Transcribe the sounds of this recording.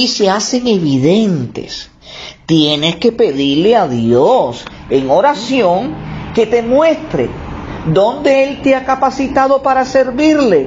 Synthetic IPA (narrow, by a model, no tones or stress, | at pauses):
ise̞ase̞ŋe̞βiðe̞nt̪e̞̰s | t̪je̞ne̞ske̞pe̞ðiɾleaðjos | eŋo̞ɾasjo̞ŋke̞t̪e̞mwe̞st̪ɾe̞̰d̪o̞nd̪e̞elt̪eakapasit̪aðo̞paɾase̞ɾβiɾle̞